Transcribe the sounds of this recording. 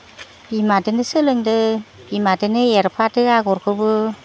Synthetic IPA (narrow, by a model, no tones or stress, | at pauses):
bimadɯnɯsɯlɯŋdɯ | b̥imadɯnɯjeɾpʰatɯaɡɔɾkʰɯbɯ